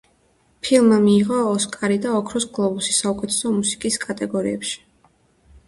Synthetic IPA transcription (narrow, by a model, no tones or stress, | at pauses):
pʰilˠmamiːʁɔːskʼaɾid̪aɔkʰɾɔsɡlˠɔbusi̥saukʼɛt̪ʰɛ̥sɔmusi̥kʼiskʼat̪ʼɛɡɔɾḭɛpʃi̥